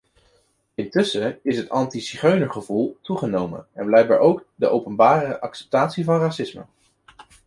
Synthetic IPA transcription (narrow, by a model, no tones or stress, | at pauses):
ɪntɵsəɪsɦətɑntisiχøɥnəɹχəvulˠtuχənowmə̰nɛnblɛjk̚ba̰ːɹʔowkdəʔowpənbaːrəʔɑksɛ̥p̚taːtsivɑnraːsɪsmə̰